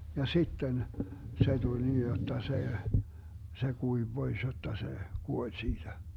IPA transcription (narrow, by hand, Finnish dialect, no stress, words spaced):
jɑ sitːen se tulʲ niː jotːɑ se se kuiʋ b̥ois jotːɑ se kuolʲ siːd̥æ